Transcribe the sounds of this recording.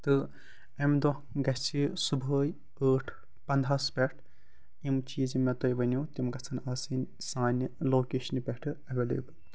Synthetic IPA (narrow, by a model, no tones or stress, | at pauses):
t̪ɨ | ɐmd̪o | ɡɐsʰisubʱəːj | əːʈʰ | pɐnd̪ʱaspʲɛʈʰ | imt͡ʃiːzimɛt̪ojʋɐnʲut̪imɡɐt͡sʰɐnaːsinʲ | saːnʲloːkeːʃɐnpʲɛʈʰɨɐʋeːlḛːbɨl